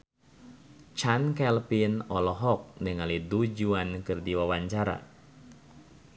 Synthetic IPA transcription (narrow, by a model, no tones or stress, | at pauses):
t͡ʃankɛlpinɔlɔɦɔk̚nəŋalidud͡ʒuankɨrdiwawaɲt͡ʃaɾa̰